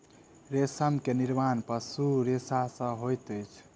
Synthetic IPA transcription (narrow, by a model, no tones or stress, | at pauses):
ɾesəmkeniɾmanpəsuɾesasə̃ɦojt̪əjt͡ʃʰ